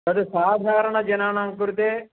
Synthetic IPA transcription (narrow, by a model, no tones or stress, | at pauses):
ɐd̪usaːd̪ʱaːɾɐɳɐd͡ʒɐnaːnaːŋkuɾut̪eː